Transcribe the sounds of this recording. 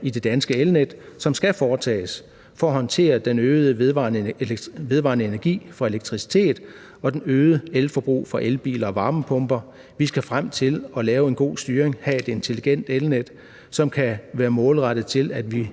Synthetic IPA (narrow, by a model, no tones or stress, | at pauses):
id̥e̝d̥ænsɡ̥əelned̥sɒ̽msɡ̥æfɒːt͡sʰɛ̰ːs | fɒ̽ɐhɒ̽nt͡sʰe̝̰ːɐd̥enøːʊð̞̩ˠəʋɑ̰̈ːnʋe̝ðˠʋɑ̰̈nəe̝næɐɡ̥ḭːfɑ̈e̝leɡ̥̚t͡sʰʁisi̥t͡sʰe̝̰ːð̥ˠ | ɒ̽d̥enøːð̞ˠəelfɒ̽b̥ʁṵːfɒ̽ʔelb̥ḭːlɐɒʋɑ̈ːməpʰɔ̽mb̥ɐ | ʋisɡ̥æfʁam̰t͡sʰe̝lɒ̽lɛːʊe̝nɡ̥o̝̰ːsd̥yːɐeŋhɛe̝d̥e̝nt͡sʰe̝liɡ̥en̰d̥elned̥ | sɒ̽mkʰæʋæːɐmɔ̽ːlʁaɾ̥ð̩ˠt͡sʰe̝læd̥ʋi